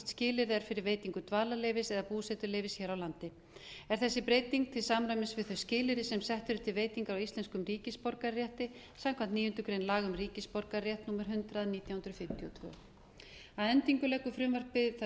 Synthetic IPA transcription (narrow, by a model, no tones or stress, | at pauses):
t̪scɪːlɪɾɛɾ̥fɪɾɪɾveːjt̪iŋkʏt̪vaːlaleːjvɪsɛðapuːsɛt̪ʏɾleːjvɪsçɛːɾawlant̪ɪ | ɛɾ̥θɛsːɪpɾeːjt̪iŋk̚t̪ʰɪlsaːmɾaɥmɪnsvɪðθœɥscɪːlɪɾɪsɛmsɛht̪ʏɾɪt̪ʰɪlveːjt̪iŋkawist̪lɛnskʏmɾiːcɪspɔɾkarjɛht̪ɪ | samkʰvant̪niːjʏnt̪ʏkɾejnlaːɣʏmriːcɪspɔɾkaɾrjɛht̪nuːmaɾ̥ɦʏnt̪ɾaðniːt̪jawhʏnɾʏfɪm̥t̪ʰjɔt̪ʰvœ̰ːɣ | aðɛnt̪iŋkʏlɛkːʏfɾʏmvar̥pɪθ